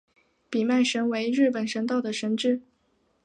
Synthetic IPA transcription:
pi˨˩ma˥˩ɪʂə˧˥nwe˧˥ɪɻɻ̩˥˩pə˨˩nʂə˧˥nt̪ɑ˥˩ʊd̪ə˩ʂə˧˥nʈ͡ʂɻ̩˥˩

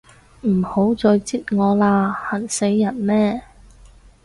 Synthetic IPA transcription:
m̩ː˨˩ho˨˥wt͡sɔː˧jt͡siː˥t̚ŋɔː˨˧laː˧hɐ˨˩nse˨˥jːɐ˨˩nmɛː˥˩

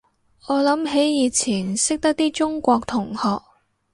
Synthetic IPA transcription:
ɔː˨˧lɐ˨˥mɦe˨˥jjiː˨˧t͡sʰiː˨˩nsɪ˥k̚t̪ɐ˥k̚t̪iː˥t͡ʃʊ˥ŋkʷɔː˧k̚t̪ʰʊ˨˩ŋhɔː˨k̚

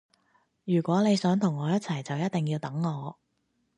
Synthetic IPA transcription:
jyː˨˩kʷɔː˨˥ne˨˧jsœː˨˥ŋt̪ʰʊ˨˩ŋːɔː˨˧jɐ˥t̚t͡sʰɐ˨˩jt͡sɐ˨wjɐ˥t̪̚t̪ɪ˨ŋjiː˧wt̪ɐ˨˥ŋːɔː˨˧

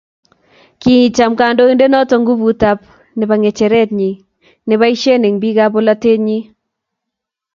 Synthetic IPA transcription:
ki˦i˨t͡ʃa˨mkaː˨ndo˦i˦nde˦nɔ˦tɔ˨ŋɡu˦bu˨ta˦p | nɪ˨ba˨ŋe˨t͡ʃɛ˨ɾɛ˦tɲi˨ | nɪ˦βa˦i˦ʃe˦ne˨ŋbi˦ɡa˦bo˦la˦te˦ɲi˦

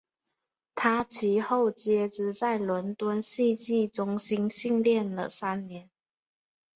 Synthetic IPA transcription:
t̪ʰa˥t͡ɕʰi˧˥xo˥˩ʊt͡ɕjɛ˥ʈ͡ʂɻ̩˧t͡sa˥˩ɪlwə˧˦˥nt̪wə˦˥nɕi˥˧t͡ɕi˥˩ʈ͡ʂʊ˥ŋɕi˥nɕi˥˧ŋljɛ˥˨nlə̰˩sa˦˥nnjɛ˨˧˦n

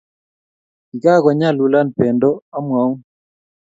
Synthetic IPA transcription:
i˨ka˦kɔ˨ɲa˦˨lu˨la˦npɛ˨ndɔ˦a˦mwa˨˦u˦

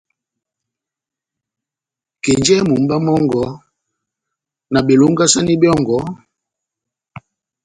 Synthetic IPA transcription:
ke˨nd͡ʒɛ˦mu˨m̩˦ba˦mɔ˦ŋɡɔ˨˦ | na˨ɓe˨lu˦ŋ˦ɡa˦sa˦ni˦bi˦ɔ˦˨ŋɡɔ˨˦

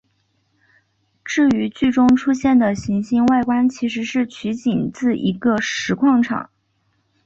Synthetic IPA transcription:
ʈ͡ʂɻ̩˥˩y˧˥t͡ɕy˥˩ʈ͡ʂʊ˥ŋʈ͡ʂʰu˥ɕjɛ˥˩nd̪ə˩ɕi˧˥ŋɕi˥ŋwa˥˩ɪkwa˥nt͡ɕʰi˧˥ʂ̬ɻ̩˧˥ʂɻ̩˥˩t͡ɕʰy˧˥t͡ɕi˨˩nt͡sɹ̩˥˩i˧˥ɡə˧ʂɻ̩˧˥kʰwɑ˥˩ŋʈ͡ʂʰɑ̰˨˩˦ŋ

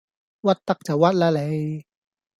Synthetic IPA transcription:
wa˦˥˩t̪ːa˦˩k̚t͡ɕa˨˩wa˦˥t̪̚la˧le˨˦j

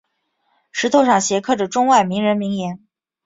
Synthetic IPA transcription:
ʂɻ̩˧˥t̪ʰo˥˧ʊʂɑ˥˩ŋɕjɛ˧˥kʰɤ˥˩ʈ͡ʂə˨˩ʈ͡ʂʊ˥ŋwa˥˩ɪmi˧˥ŋɻə˧˥nmi˧˥ŋjɛ˧˥n

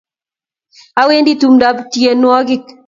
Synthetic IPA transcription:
a˦we˦ndi˦tu˨mda˦btje˨n˦ɔ˦ɡɪ˦k

